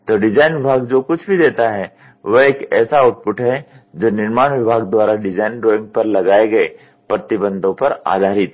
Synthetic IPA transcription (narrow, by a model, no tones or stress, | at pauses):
t̪oːɖɪd͡ʒaːɪnʋɪbʱaːɡd͡ʒoːkʊt͡ʃʰbʱid̪eːt̪aɦɛ | ʋɐeːkɛːsaaʊʈ̚pʊʈɦɛ | d͡ʒoːnɪɾmaːɽ̃ʋɪbʱaːɡd̪waːɾaɖɪd͡ʒaːɪnɖɾoːɪ̃ŋɡ̚pɐɾlɐɡaːeɡɐe | pɾɐt̪ɪbə̃nd̪ʱõpɐɾa̰ːd̪ʱaːɾɪt̪